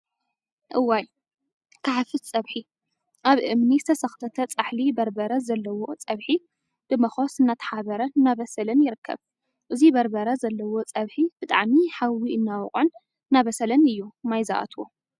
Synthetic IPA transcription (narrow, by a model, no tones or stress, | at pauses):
ʔɨwaj | kʰaħfɨt̪t͡sʼɐβħi | ʔaβʔɨmnizɨt̪ʰɐsɐxt̪ʰɐt̪ʰɐt͡sʼaħlibɐɾbɐɾɐzɐlːɐwo̞t͡sʼɐβħi | b̥ɨmɐxo̞sɨnːat̪ʰɐ̥ħaβɐɾɐnaβɐsɐlɐnjɪɾɨkʰːɐ̰β | ʔɨzibɐɾbɐɾɐzɐlːɐwo̞t͡sʼɐβħib̥ɨt̪ʼa̰ʕmiħawiɨnːawɔχʼɨn | nːaβɐsɐlɐnɨjːumajza̰ʔa̰t̪ʰwo̰